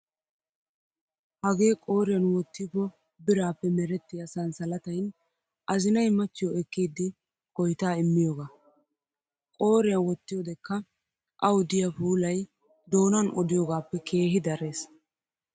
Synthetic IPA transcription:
hɐɡe̞ːkʼo̞ːɾɪjɐnwɔt̪ːɪbɔ | bɪɾaːpːɛmɛɾɛt̪ːɪjɐsɐnsɐlɐt̪ɐjn | ʔɐzɪnɐjmɐt͡ʃːɪjɔɛkːiːd̪ːɪ | kɔjt̪aːɪmːɪjoːɡaː | kʼo̞ːɾɪjɐnwɔt̪ːɪjoːd̪ɛkːɐ | ʔɐwʊd̪ɪjɐpuːlɐj | d̪o̞ːnɐnʔɔd̪ɪjoɡaːpːɛkʰe̞ːɦɪd̪ɐɾe̞ːs

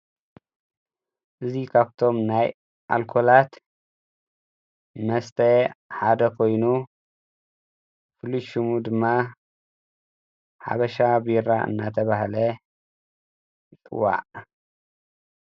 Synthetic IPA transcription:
ʔɨzikʰaβt̪ʰo̞mnaj | ʔa̰lkʰo̞lat̪ | mɐst̪ʰɐħad̪ɐkʰo̞jnu | fɨluʃumud̪ɨmːa | ħa̰βɐʃabɨjɨɾaɨ̰nːat̪ʰɐβahlɐ | t͡sʼɨ̰wːa̰ʕ

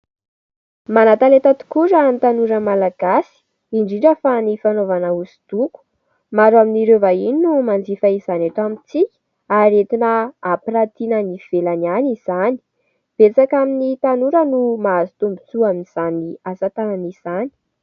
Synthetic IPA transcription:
manat̪alet̪at̪u̥kuɾanit̪anuɾəmalaɡ̥asi̥ | iɳɖ͡ʐiɳɖ͡ʐəfanifanovanausi̥d̪̥uku̥ | maɾaminiɾevaininumand͡zifaizanaʈ͡ʂamit͡si̥ | aɾet̪inaapirat̪inəniv̥elananiz̥ani̥ | b̥et͡sakaminit̪anuɾənumaazit̪umbut͡suaminiz̥aniasat̪ananiz̥ani̥

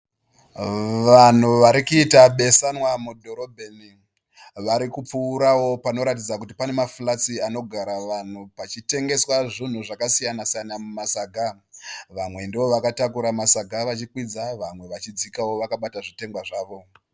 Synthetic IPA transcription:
ʋan̤uʋaɾikuitaɓe̞sanwamudʱo̞ɾobʱeni | ʋaɾikup͡fuːɾawo̞pano̞ɾat̬id͡zakutipane̞mafulat͡siano̞ɡʱaɾaʋan̤upat͡ʃite̞ŋɡe̞swaʐin̤uʐakasijanasijanamumasaɡʱa | ʋamwe̞ndeʋo̞ʋakatakuɾamasaɡʱaʋat͡ʃikwid͡zaʋamwe̞ʋat͡ʃid͡zikawo̞ʋakaɓataʐite̞ŋɡwaʐaːʋo̞

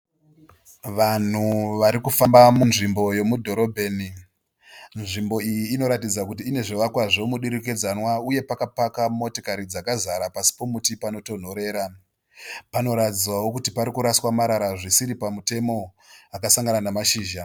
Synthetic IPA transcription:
ʋan̤uʋaɾikufambamunʐimbo̞je̞mudʱo̞ɾo̞bʱe̞ːni | nʐimbo̞ijiːno̞ɾatid͡zakut̬iːne̞ʐiʋakwaʐomuɗiɾik̬ed͡zanwauje̞pakapakamo̞tokaɾid͡zakazaɾapasi̥po̞mutipano̞to̞n̤o̞ɾe̞ːɾa | pano̞ɾatid͡zwawo̞kutipaɾikuɾaswamaɾaɾaʐisiɾipamute̞mo̞ | akasaŋɡananamaʃiːʒa

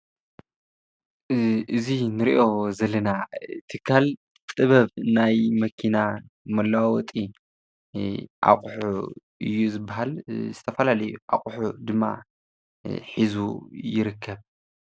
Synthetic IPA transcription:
ʔɨzinɨɾiʔo̞zɐlɐnat̪ʰɨkʰːal | tʼɨβɐβnajmɐkʰinamɐlːawwɔt̪ʼi | ʔa̰qʼħu | ɨ̰jːuzɨbːaɦalzɨt̪ʰɐfɐlalɐjuʔa̰kʼħud̪ɨmːa̰ | ħizujɪɾɨkʰːɐβ

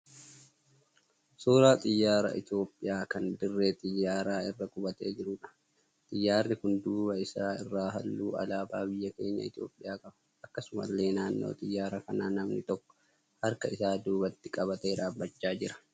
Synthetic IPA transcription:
soːɾaːt̪ʼɪjːaːɾɐ̰ʔɪ̰t̪o̞ːpʼːɪjaːkɐnd̪ɪrːe̞ːt̪ʼɪjːaːɾaːɪrːɐkʼʊbɐt̪e̞̰ːd͡ʒɪɾʊːᶑɐ̥ | t̪ʼɪjːaːrnɪkʊnd̪uːbɐɪsaːɪrːaːɦɐlːuːɐ̰laːbaːbɪjːɐke̞̰ːɲːɐ̰ɪt̪jo̞̰ːpʼːɪjaːkʼɐbɐ | ɐkːɐsʊmɐ̰lːe̞ːnaːnːo̰ːt̪ʼɪjːaːɾɐkɐnaːnɐmnɪt̪ɔkːɔ̥ | hɐɾkɐɪsaːd̪uːbɐt̪ːɪ̥kʼɐβɐt̪eːᶑaːbɐt͡ʃːaːd͡ʒɪɾɐ̥

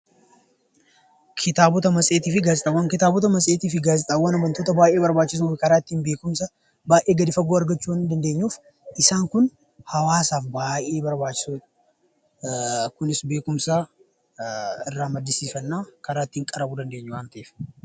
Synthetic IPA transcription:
kʰɪt̪aːbɔt̪ɐmɐsʼe̞ːt̪iːfɪɡaːzɪt̪ʼɐwːɐŋkɪt̪aːbɔt̪ɐmɐsʼeːt̪iːfɪɡaːzɪt̪ʼɐwɐnɐmɐnt̪oːt̪ɐbaːʔeːbɐɾbaːt͡ʃːɪs̬uːfɪkɐɾaːt̪ːiːnbe̞ːkʊmsɐ | baːjʔe̞ːɡɐd̪ɪfɐɡoːɐɾɡɐt͡ʃːuːwɐnɪd̪ɐnd̪eːɲːuːf | ʔɪsaːŋkʊn | hɐwaːsaːfbaːjʔe̞ːbɐɾbaːt͡ʃːɪ̥suː | kʊnɪsbe̞ːkʊmsaː | ɪrːaːmɐd̪ːɪsiːfɐnːaːkɐɾaːt̪ːiːŋkʼɐɾɐbuːd̪ɐnd̪e̞ːɲːʊwaːnt̪ɐʔeːf

